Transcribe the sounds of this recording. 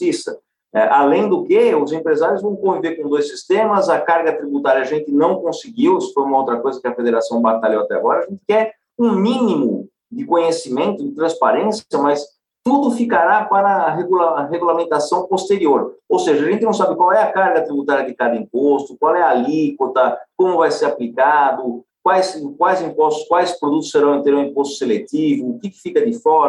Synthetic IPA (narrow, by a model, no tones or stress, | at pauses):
isɐ | ɛʔalẽj̃d̪ʊkeʊzẽmpɾezaɾjʊzvɐ̃w̃kõviveɾkõd̪ojsist̪ẽmɐzɐkaɾɡɐt̪ɾibut̪aɾjɐːʒẽnt̪ɪnɐ̃w̃kõsɪɡiwsɪ̥fojũmɐowt̪ɾɐkojzɐkɪɐfed̪eɾasɐ̃w̃bat̪aʎowat̪ɛa̰ɡɔɾɐːʒẽnt̪ɪ̥kɛɾ | ũmĩnimʊ | d̪ɪkõɲesimẽnt̪ʊd̪ɪt̪ɾɐ̃spaɾẽsjɐmɐs | t̪ud̪ʊfikaɾapaɾɐɦeɡulaɦeɡulamẽnt̪asɐ̃w̃post̪eɾioɾowseʒɐʒẽnt̪ɪnɐ̃w̃sabɪkwawɛɐkaɾɡɐt̪ɾibut̪aɾjɐd̪ɪkad̪ɐĩmpost̪ʊkwawɛalikwot̪ɐkõmʊvajseɾaplikad̪ʊ | kwajskwajzĩmpɔst̪ʊ̥skwajspɾod̪ut̪ʊsːeɾɐ̃w̃ẽnt̪eɾũĩpost̪ʊ̥selet̪ivʊːkɪkɪ̥fikɐd̪ɪfɔɾ